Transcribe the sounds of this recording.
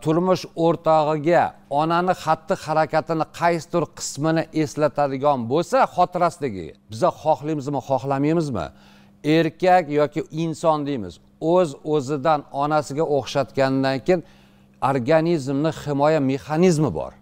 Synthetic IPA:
t̪ʰʊɾmʊʃoɾt̪ʰɒʁɨɡʲaɒnanɪχat̪ːɪhaɾakʲat̪ʰɪnɪqʰɑjsɪ̥t̪ʊɾqʰɨ̥smɪnɪʔe̞slat̪ʰad̪ɪɡʲɒnbolˠsaχɒt̪ʰɪɾasd̪ɪɡʲɪ̰b̥ɪzaχɒχlˠɪjmɪzmɪχɒχlˠamijmɪzmɪ̰ | e̞ɾkʲʰakʲjɒkʲɪɪnsɒnd̪ejmɪ̰z | ɵzɵzɪd̪anɒnasɪɡʲaʔoχʃat̪kʲanɪd̪ankʲʰejɪn | oɾɡanizmnɪhɪmɒjame̞χanizmɪbɒ̰ɾ

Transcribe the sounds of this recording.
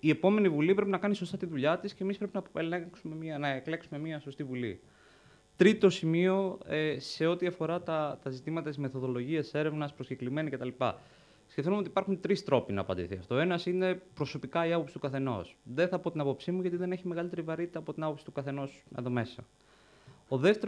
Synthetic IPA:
ie̞po̞me̞nivulipɾepinɐkɐniso̞st̪ɐt̪iðuʎɐt̪iscemispɾe̞pinɐksumemiɐnɐekleksume̞miɐso̞st̪ivulḭ | t̪ɾit̪o̞simio̞ese̞o̞t̪iɐfo̞ɾɐt̪ɐt̪ɐzit̪imɐt̪ɐt̪izme̞θo̞ðo̞lo̞ʝiɐse̞ɾe̞vnɐspɾo̞sce̞klime̞nɐce̞t̪ɐlipɐ̰ | sçeft̪umo̞t̪ipɐɾxunt̪ɾist̪ɾo̞pinɐ̰ːpɐnd̪ḭθiɐ̰ft̪ooenɐsine̞pɾo̞so̞pikɐiɐpo̞psi̥t̪ukɐθe̞no̞̰sðe̞θɐpo̞t̪inɐpo̞psimuʝɐt̪iðe̞ne̞çime̞ɣɐlit̪e̞ɾivɐɾit̪it̪ɐːpo̞t̪inɐpo̞psi̥t̪ukɐθe̞no̞sḛðo̞me̞sɐ̰ | oðeft̪e

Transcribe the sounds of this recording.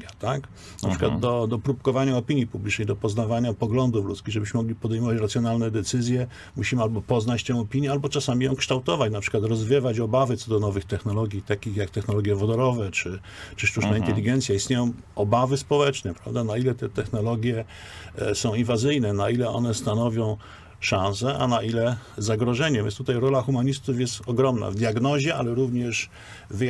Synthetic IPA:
at̪ak | na̰pɘ̥ɨkwad̪d̪ɔd̪ɔpɾupkɔvaɲaɔpʲiɲjipublʲit͡ʂnɛjd̪ɔpɔznavaɲapɔɡlɔnd̪uflṵtskʲiɣʐɛbɘɕmɘmɔɡlʲipɔd̪ɛjmɔvat͡ɕɾat̪sjɔnalnɛd̪ɛt̪sɘzʲjɛ | muɕimɘalbɔpɔznat͡ɕt̪ɛ̃w̃ɔpʲiɲjɛalbɔt͡ʂasamʲijɔ̃w̃kʂt̪awt̪ɔvat͡ɕnapʂɘ̥kwat̪ɾɔzvʲjɛvat͡ɕɔbavɘt̪sɔd̪ɔnɔvɘxt̪ɛxnɔlɔɡʲjit̪akʲixjakt̪ɛxnɔlɔɡʲjɛvɔd̪ɔɾɔvɛt͡ʂɘ | t͡ʂɘʂt̪ut͡ʂnaint̪ɛlʲiɡɛnt̪sʲjaist̪ɲʲejɔ̃w̃ | ɔbavɘspɔwɛt͡ʂnɛpɾa̰vd̪anailɛt̪ɛt̪ɛxnɔlɔɡʲjɛ | sɔ̃w̃invazɘjnɛnailɛɔ̰nɛst̪anɔvʲjɔ̃w̃ | ʂãñs̬ɛʔa̰naʔilɛzaɡɾɔʐɛɲɛvʲɛ̰nst̪ut̪ajɾɔlaxumaɲist̪ufjɛst̪ɔɡɾɔmna̰vd̪ʲjaɡnɔʑɛʔa̰lɛɾuvɲɛʂ | v

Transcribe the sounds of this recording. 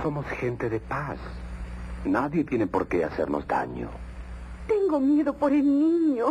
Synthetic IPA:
somosxent̪eðepas | naðje̞t̪je̞nepoɾkeasḛɾnozd̪a̰ɲo̰ | t̪eŋɡomjeðopoɾelnĩɲo

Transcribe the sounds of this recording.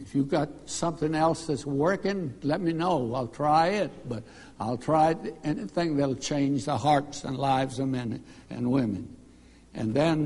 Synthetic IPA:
ɨfjɨɡɑt̚sʌ̃mθɪ̃ŋɛlˠsðɨtswɜ˞kɪ̃ŋlɛt̚minoʊaɪlˠtʰɹ̥aɪɪt̚b̥ʌɾ | aɪlˠtʰɹ̥aɪɾɛniθɪ̃ŋðeɪl̩ˠt͡ʃʰẽɪ̃nd͡ʒðəhɑɹtsɨ̰̃nlaɪvzʌvmɛ̃nɨ̰̃nwɪ̃mɨ̰̃n | ʔɨ̰̃nðɨ̃n

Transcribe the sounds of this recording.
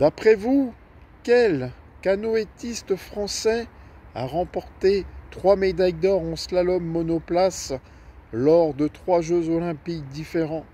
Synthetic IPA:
d̪̥apχɛvu | kʲɛl | kanɔet̪ist̪fχɑ̃sɛa̰ʁɑ̃pɔʁt̪et̪χwamed̪ajd̪ɔʁɑ̃slalɔmːɔnɔplas | lɔʁd̪ət̪χwaʒøzɔlɛ̃pik̚d̪ifeʁɑ̃

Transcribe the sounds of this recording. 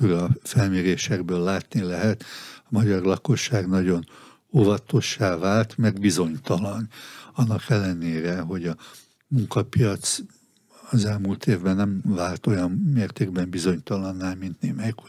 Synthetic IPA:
uɾɒfɛlmeːɾeːʃɛɡbøːlːaːt̪nilɛɦɛt̪ɒmɒɟɒrlɒko̞ʃːaːɡnɒɟo̞n | ovɒt̪o̞ʃːaːvaːlt̪mɛrd̪bizo̞ɲt̪ɒlɒnɒnːɒkɛlːɛneːɾɛɦo̞ɟɒ | muŋkɒpijɒt̪s | ɒzɛlmuːlt̪eːvbɛnːɛmvaːlt̪o̞jɒnːeːrt̪eːɡ̚bɛmbizo̞ɲt̪ɒlɒnːaːlmint̪neːmɛjku

